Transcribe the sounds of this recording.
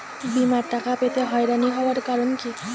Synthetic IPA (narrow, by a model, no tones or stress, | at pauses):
bimaɾʈakapet̪eɦɔeɾaniɦɔoaɾkaɾonki